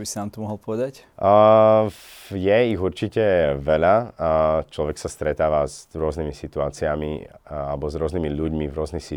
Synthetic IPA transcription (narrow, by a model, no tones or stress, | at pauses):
bisinaːmt̪ɔmɔɦɔlˠpɔʋɛd̪ac | jɛiɣuɾt͡ʃicɛʋɛʎa | t͡ʃlɔʋɛksast̪ɾɛt̪aːʋazɾʊɔznimisit̪uaːt͡siamḭalɛbɔzɾʊɔzniːmiʎuɟmivɾʊɔznixsi